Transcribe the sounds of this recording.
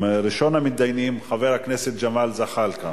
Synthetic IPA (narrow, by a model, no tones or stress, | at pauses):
ɾiʃo̞nhamitd̪ajnimχaveʁhakneset̪̚d͡ʒamalzaχalka